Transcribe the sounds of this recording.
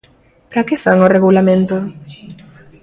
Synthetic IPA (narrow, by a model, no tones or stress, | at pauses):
pɾakɪfaŋoreɣulamẽnt̪o